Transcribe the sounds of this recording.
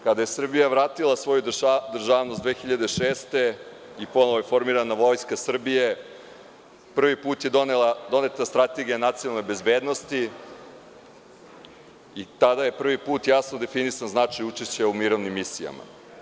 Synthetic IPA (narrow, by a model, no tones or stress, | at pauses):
kad̪ajesr̩bijaʋɾaːt̪ilˠasʋo̞jud̪r̩ʒaːʋnosd̪vʋeːxiʎad̪eʃe̞ːst̪e̞ | ipo̞noʋoefo̞ɾmiɾanaʋo̞jskasr̩bije̞ | pr̩ʋipuːt̪je̞d̪onelad̪o̞ne̞t̪nast̪ɾat̪e̞ɡijanat̪sionalno̞jbezbe̞ːd̪no̞st̪i | it̪ad̪aje̞pr̩ʋipuːt̪jasnod̪e̞finisanznat͡ʃajut͡ʃeɕt͡ɕeumiɾo̞ʋnimːisija̰ma̰